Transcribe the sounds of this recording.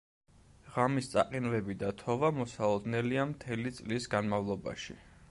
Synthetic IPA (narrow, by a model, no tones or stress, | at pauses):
ʁamist̪sʼa̰qʼinvɛbid̪at̪ʰɔvamɔsalˠɔd̪nɛliamt̪ʰɛlit̪sʼlisɡanmavlˠɔba̰ʃḭ